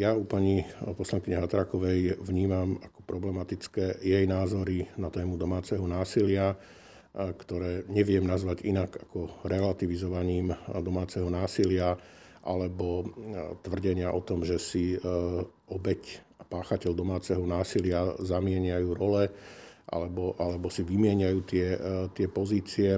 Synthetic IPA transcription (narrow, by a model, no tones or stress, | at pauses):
jaupaɲipɔslaŋkiɲɛɦat̪ɾaːkɔʋɛjʋɲiːmamakɔ̥pɾɔblɛmat̪it͡skɛːjɛjnaːzɔɾinat̪ɛːmud̪ɔmaːt͡sɛɦɔnaːsilɪa | kt̪ɔɾɛːɲɛʋɪɛmnazʋaɟinaɡakɔɾɛlat̪iʋizɔʋaɲiːmd̪ɔmaːt͡sɛɦɔnaːsilɪaʔa̰lɛbɔt̪ʋr̩ɟɛɲɪaʔɔt̪ɔmʒɛsi | ɔbɛcapaːxacɛʎd̪ɔmaːt͡sɛɦɔnaːsilɪazamɪɛɲajuːɾɔlɛʔa̰lɛbɔʔalɛbɔsiʋimɪɛɲajuːt̪ɪɛt̪ɪɛpɔziːt͡siɛ